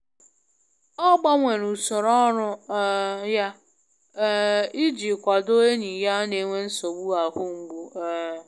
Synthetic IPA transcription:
ɔ˦ɡ͡ba˦ŋʷe˨ɾu˨sʊ˨ɾɔ˦ɾʊ˦ | ja˦ | i˦d͡ʒi˨kʷa˨do˦e˦ni˨ja˦ne˨ŋʷe˦n̩˦so˨ɡ͡bu˦a˨ɦʊ˦ŋ̩˨ɡ͡bu˦

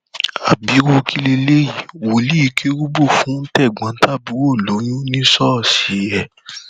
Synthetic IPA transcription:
a˨bi˨˦wo˧kʰi˦le˧le˦ji˨wo˨li˦i˧kʰe˦ɾu˦bo˦˨fũ˨˦n̩˦tɛ˦˨ɡ͡bã˨˦tʰa˦bi˨˦wo˦˨lo˨˦jũ˦nĩ˦sɔ˦˨si˨˦jɛ˦˧

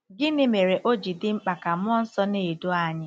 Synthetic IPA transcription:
ɡɪ˦nɪ˦me˨ɾe˨ʔo˦d͡ʒi˨dɪ˦ŋ͡m̩˦k͡pa˨ka˨mʊ˦ɔ˦n̩˦sɔ˦ne˨do˦a˨ɲɪ˦

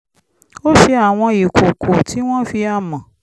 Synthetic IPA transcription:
o˦ʃi˧a˦˨w̃ɔ̃˧i˨kʰo˨kʰo˨tʰi˨˦w̃ɔ̃˦fi˧a˦˨mã˨

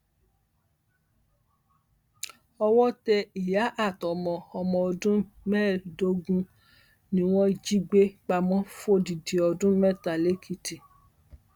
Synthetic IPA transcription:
ɔ˧wɔ˦tɛ˧i˨ja˨˦ʔa˦˨tɔ˨mɔ̃˨ɔ˧mɔ̃˨ɔ˧dũ˦mɛ˦˨do˧˦ɡũ˦ | nĩ˦w̃ɔ̃˦d͡ʒi˦ɡ͡be˦k͡pa˧mɔ̃˦fo˦˨di˨di˨ɔ˧dũ˦mɛ˦˨ta˨le˨˦kʰi˧ti˨

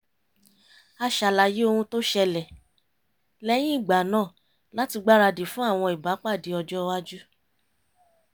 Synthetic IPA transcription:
a˧ʃa˨la˨je˦o˧hũ˧to˦ʃɛ˧lɛ˨ | lɛ˦j̃ĩ˦i˦˨ɡ͡ba˨nãː˦˨ | la˨˦ti˧ɡ͡ba˦ɾa˧de˨fũ˦a˦˨w̃ɔ̃˧i˨ba˨˦k͡pa˦˨di˨˦ɔ˧d͡ʒɔ˦wa˦d͡ʒu˦

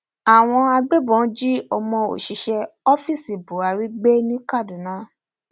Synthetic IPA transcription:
a˨w̃ɔ̃˧a˧ɡ͡be˦bɔ̃˨˦d͡ʒi˦ɔ˧mɔ̃˧o̰˨ʃi˨˧˦ʃɛ˧ɔ˦fi˦˨si˨bu˨a˧ɾi˦ɡ͡be˦nĩ˦ka˦˨du˨nã˨˦

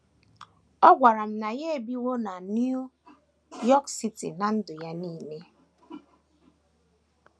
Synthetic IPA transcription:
ɔ˦ɡʷa˨ɾa˨m̩˦na˨je˦e˨bi˦wo˦na˨n˦u˦ | jɔ˦ksi˦tḭ˨na˨n̩˦dʊ˨ja˦niː˦˨ne˦

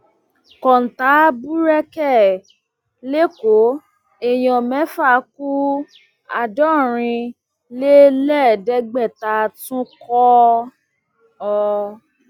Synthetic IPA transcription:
kɔ˨n̩˨ta˨˦bu˦ɾɛ˦kɛ˦˨ | le˦ko˨˦ | e˧j̃ɔ̃˨˧mɛ̃˨˦fa˦˨˦ku˦ | a̰˧dɔ˦˨ɾ̃ĩ˧ | le˦lɛ˦˨dɛ˧˦ɡ͡bɛ˦˨ta˧tũ˦kɔ˦ | ɔ˧

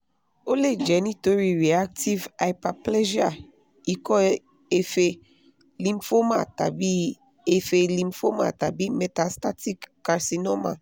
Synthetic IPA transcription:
o˦le˦d͡ʒɛ˨ni˦t̪o˦ɾi˨ɾi˨a˦k̚tʰi˦va˨jpa˨plɛ˦ʒi˦a˨ | i˨kɔ˦ | e˨fe˨ | lĩ˨mfo˦ma̰˨t̪a̰˨bi˦ | e˨fe˨lĩ˨mfo˦ma̰˨t̪a˨bi˦mɛ˨t̪a˨st̪a˦ti˦kːa˨ɾsi˨nɔ˦ma̰˨

